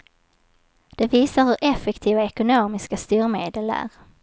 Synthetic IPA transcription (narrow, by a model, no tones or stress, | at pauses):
d̪̥ɛviːsaɾhɵɾʔɛfːɛkt̪ʰiːvaɛkʊnoːmɪskast̪yːɾmeːd̪əlæ̰ɾ